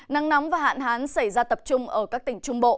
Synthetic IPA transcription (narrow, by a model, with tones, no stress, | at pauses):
na˧ŋna˨˦wŋ͡mvaː˨˩ɦa̰ː˧˨nɦaː˨˦nsa˧˩jzaː˧t̪ə˨˩p̚t͡ɕʊ˧ŋ͡mʔəː˧˩kaː˦˥k̚t̪ï˧˩ŋ̟t͡ɕʊ˧ŋ͡mɓo̰˧˨